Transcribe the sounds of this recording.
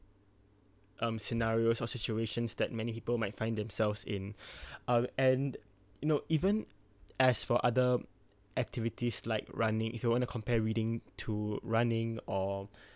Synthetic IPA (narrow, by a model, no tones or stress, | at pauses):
ʔʌ̃msinaɹiosɔsit͡ʃueʃə̃nsd̪ɛt̚mɛnipipəlmaɪtfãɪ̃nd̪ɛ̃msɛlvsɪ̃nʌ̃mɛ̃n | junoʔivə̃n | ɛsfɔʔadə | ʔɛk̚tʰivitislaɪkɹãnɪ̃ŋʔifjuwɔ̃ntukʰɔ̃mpɛɹidɪ̃ŋtʰuɹãnɪ̃ŋɔ